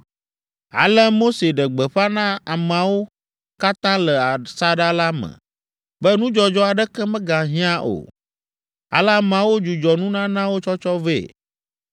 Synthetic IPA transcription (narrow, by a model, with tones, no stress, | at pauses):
a̰˨lə˦mo˦se˨ɖə˨ɡ͡bɛ˨ɸa˦nã˦a˨m˨a˨wo˦ | ka˦t̪ã˦lə˨a˨sa˦ɖa˦la˦mɛ̰̃˨ | bɛ˦nũ˦d͡ʒɔ˨d͡ʒɔ˦a˨ɖɛ˦kɛ˦mɛ̃˦ɡa˨ɦĩ˦ã˦ʔo̰˨ | a̰˨la˦˨m˨ã˨wo˦d͡ʒu˨d͡ʒɔ˨nũ˦nã˦nã˦wo˦t͡ʃɔ˦t͡ʃɔ˦vḛ˦˨